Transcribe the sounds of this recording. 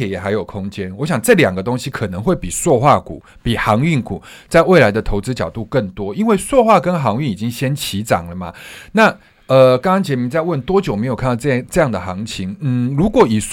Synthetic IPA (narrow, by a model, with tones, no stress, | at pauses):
ɛ˨˦jɛ˨˩ɦa˧˥ɪjo˨˩ʊkʰʊ˦ŋt͡ɕjɛ˦nwɔ˧˦ɕjɑ˨˩ŋʈ͡ʂɤ˥˩ljɑ˨˩ŋɡə˦t̪o˥ŋɕi˦kʰɤ˨˩nə˧˦ŋxwe˥˩ɪpi˨˩swɔ˥˧xwa˥˩kṵ˨˩˦ | pi˨˩xɑ˧˥ŋy˥˩nkṵ˨˩ | t͡sa˥˧ɪwe˥˩ɪla˧˦ɪd̪ə˨t̪ʰo˧˥ʊt͡sɹ̩˦˥t͡ɕjɑ˨˩ʊt̪u˥˧kə˥˩nt̪wɔ˦i˦˥nwe˥˩ɪswɔ˥˧xwa˥˩kə˦nxɑ˧˥ŋy˥˨ni˨˩t͡ɕi˦ŋɕjɛ˦nt͡ɕʰi˧˥˦t͡sɑ̰˨˩ŋlə˦ma̰˩na˥˩ | ə˨kɑ˥ŋkɑ˥ŋt͡ɕjɛ˧˥mi˧˦t͡sa˥˧ɪwə˥˩nt̪wɔ˦˥t͡ɕjo˨˩ʊme˧˥ɪo˨kʰa˥˨nt̪ɑ˥˧˩ʈ͡ʂɤ˥˧jɑ˥˩ŋd̪ə˨˩xɑ˧˦ŋt͡ɕʰi˧˥ŋn̩˥˨˩lu˧˦˥kwɔ˨˩i˨˩s